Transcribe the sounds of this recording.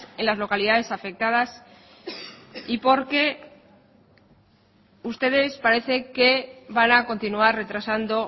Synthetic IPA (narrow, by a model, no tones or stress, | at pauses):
enlazlo̞kaliðaðe̞safe̞k̚t̪að̞as | ipo̞ɾke̞ | ust̪e̞ðe̞spaɾe̞θe̞ke̞βanako̞nt̪inuarre̞t̪ɾasand̪o̞